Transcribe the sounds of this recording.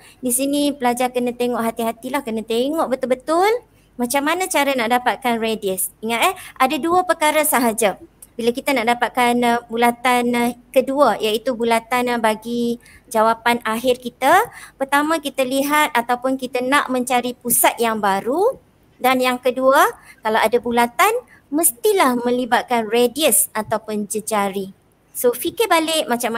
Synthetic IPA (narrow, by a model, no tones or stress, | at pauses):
disinipəlad͡ʒarkənãt̪eŋɔʔɦat̪iɦat̪ilahkənãt̪eŋɔʔbət̪ʊlbət̪ʊl | mãt͡ʃamːanãt͡ʃaɾanaʔdapat̪̚kanrediəsiŋãt̪əʔadaduəpərkaɾasaɦad͡ʒa | bilakit̪anaʔdapat̪̚kanbulat̪ankəduəjait̪ubulat̪anbaɡi | d͡ʒawapanaɦɪrkit̪apərt̪amãkit̪aliɦat̪̚at̪awpʊnkit̪anãʔmə̃ɲt͡ʃaɾipusat̪̚jaŋbaɾu | danjaŋkəduakalawadabulat̪an | mə̃st̪ilahmə̃libat̪̚kanrediəsat̪awpʊnd͡ʒəd͡ʒaɾi | sofikɪbalɪʔmãt͡ʃama